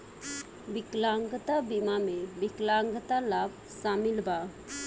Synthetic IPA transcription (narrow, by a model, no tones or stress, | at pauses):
biklaŋɡət̪abimamebiklaŋɡət̪alab̚ | samilba